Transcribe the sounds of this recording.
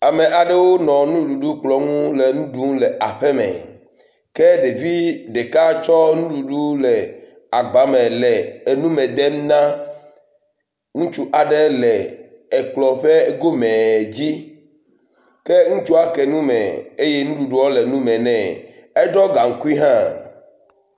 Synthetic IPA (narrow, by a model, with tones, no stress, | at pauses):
a˨mẽ˨ʔa˨ɖɛ˦wo˦nɔ̃˨nũ˦ɖu˨ɖu˦k͡plɔ˨ŋũ˦lɛ˨nũ˦ɖu˦ŋ̃˦lɛ˨ʔa˨ɸɛ˦mɛ̰˨ | kɛ˦ɖe˨vi˦ɖe˨ka˦t͡ʃɔ˦nũ˦ɖu˨ɖu˦lɛ˨ | a˨ɡ͡ba˦mɛ̃˨lɛ˨nũ˦mɛ̃˨d̪e˦m˦nã˦ | ŋũ˦t͡ʃu˦ʔa˨ɖɛ˦lɛ˨ | ɛ˨k͡plɔ˨ɸɛ˦ɡo˦mɛ̃˨d͡ʑi˦ | kɛ˦ŋũ˦t͡ʃu˦a˨kɛ˨nũ˦mɛ̰̃˨e˦je˦nũ˦ɖu˨ɖu˦wɔ˦lɛ˨nũ˦mɛ̃˨nɛ̃˨ | e˦ɖɔ˦ɡa˨ŋ̩˦ku˦i˦ɦã˦